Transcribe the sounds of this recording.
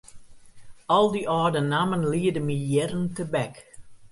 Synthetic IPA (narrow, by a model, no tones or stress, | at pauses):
ɔlˠdiʔɔːdənamənliədəmijɛrəntəbɛk